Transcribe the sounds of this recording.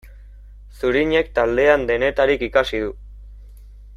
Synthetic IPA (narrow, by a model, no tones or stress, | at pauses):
suɾiɲe̞kt̪ald̪e̞and̪e̞ne̞t̪aɾikikasið̞u